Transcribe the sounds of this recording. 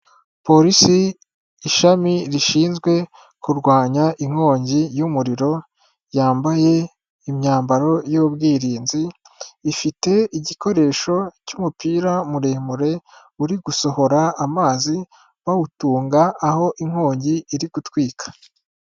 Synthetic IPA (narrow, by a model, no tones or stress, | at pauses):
po̞ɾisiː | ʃamiɾiʃiːnzɡwe̞ | kuɾɡwaːɲaʔiŋ̥ho̞ːɲɟijumuɾiɾo̞ | jaːmbaje̞ | imɲaːmbaɾo̞jobɡiːɾiːnziː | fite̞iɟiko̞ɾe̞ːʃo̞cuːmupiːɾamuɾe̞ːmuɾe̞ | uɾiɡuso̞ho̞ɾaːmaːzi | βautuːŋɡaːho̞ʔiŋ̥hoːɲɟiːɾiɡutwiːkʰḁ